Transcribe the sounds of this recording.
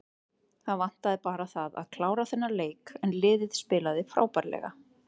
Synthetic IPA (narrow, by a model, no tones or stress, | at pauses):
θaðvan̥t̪aðɪpaːɾaθaða̰ðkʰlaːwɾaθɛnːaleːjkɛnlɪːðɪð̥spɪːlaðɪfɾa̰ːwpaɾlɛ̰ɣa̰